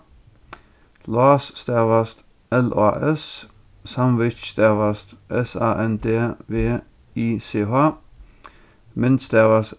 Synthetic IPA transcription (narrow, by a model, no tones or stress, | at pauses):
lɑːsst̪ɛʋɐst̪ | ɛlɑ̰ːʔɛs | sɑmʋɪt͡ʃst̪æʋɐst̪ʔɛsɑ̰ːʔɛnd̪eːʋeː | iːseːɦɑː | mɪnd̪st̪æːʋɐs